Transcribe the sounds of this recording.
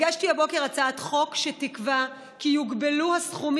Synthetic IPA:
ɡaʃtihabo̞ke̞ʁat͡saat̪χo̞kʃetikva | kijuɡbeluhasχum

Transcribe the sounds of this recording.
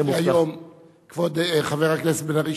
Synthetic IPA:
ajom | kvod̪χaveʁhaknesbenaʁi

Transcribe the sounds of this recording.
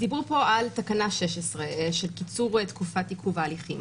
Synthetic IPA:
d̪ibʁupo̞alt̪akanaʃeʃesʁeʃelkit͡suʁet̪kufat̪ikʰuvaːliχim

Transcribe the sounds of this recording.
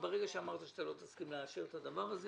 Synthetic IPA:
beʁeɡaʃeamaʁt̪aʃt̪alot̪askimleaʃeʁet̪ad̪avaʁaze

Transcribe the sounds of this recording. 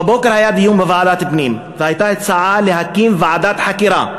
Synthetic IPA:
bokeɾhajad̪ijumbevaʕad̪at̪bnim | vehajt̪aet̪saʕaleɦakːimvaʕad̪at̪ħakiɾa

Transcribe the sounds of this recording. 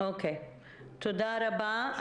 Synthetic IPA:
oːkeː | t̪ʰʊd̪aːɾɐbãː

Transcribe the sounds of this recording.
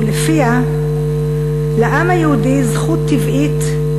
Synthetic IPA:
lefia | leʔamajhud̪izχut̪ːivʔit̪

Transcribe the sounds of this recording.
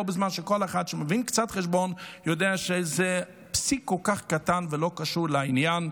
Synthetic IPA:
bɪzmanʃəkɔlˠaχadʃɪməvinkt͡satχɛʃbɔnjɔdeːaʃezɛ | psikɔlkaχkatanvɪloːkaʃuɾlɪainjan

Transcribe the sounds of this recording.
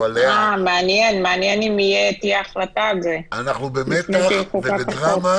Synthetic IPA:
alameanjenmeanjenimijet̪iaaχlat̪azeanaχnubemetikuakaoma

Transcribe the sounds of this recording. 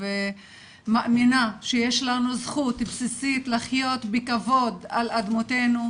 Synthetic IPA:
ve | maʔaminaʃejeʃlanuzχut̪bsisit̪laχjo̞t̪bekavo̞d̪alad̪mot̪e̞nu

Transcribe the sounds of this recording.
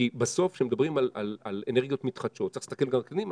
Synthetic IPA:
ibaso̞fʃemed̪abʁimalalaleneʁɡijo̞t̪mit̪χad̪ʃo̞t̪ːaili̥st̪ake̞lɡamkanim

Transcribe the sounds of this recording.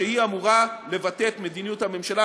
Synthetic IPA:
ehiamuʁale̞vatetme̞d̪inijuthame̞mʃala

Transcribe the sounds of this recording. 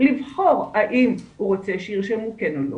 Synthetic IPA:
livχo̞ʁaʔimhuʁot͡seʃiʁʃemukenolo̰

